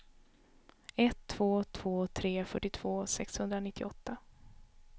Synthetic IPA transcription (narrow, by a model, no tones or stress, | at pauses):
ɛt̪ʰːv̥oːt̪ʰv̥oːt̪ʰɾeːfœʈːɪt̪ʰv̥oːsɛkshɵnd̪ɾanɪt̪ʰːɪɔt̪ːa